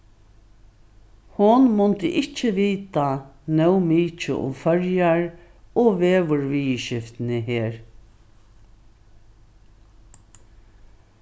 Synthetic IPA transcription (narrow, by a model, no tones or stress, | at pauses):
hʊnmʊnt̪ɪʔɪt͡ʃːɪʋiːt̪anœwmiːt͡ʃə̰ʔʊ̰mfœɹjaɹɔʋeːʋʊɹʋiːʃɪft̪ɪnɪɦeːɹ